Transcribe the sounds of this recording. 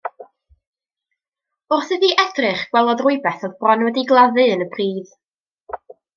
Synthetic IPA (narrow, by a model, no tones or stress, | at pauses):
ʊrθɨdiʔɛdrɨχɡ̥wɛlˠɔðrʊɨbɛθɔðbrɔnwɛdiɡlˠaðɨənəpʰriːð